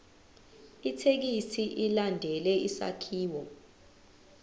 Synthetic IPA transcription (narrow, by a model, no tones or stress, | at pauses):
itʰek̬isiʔilandʱɛlɛisa̰kʰiːwɔ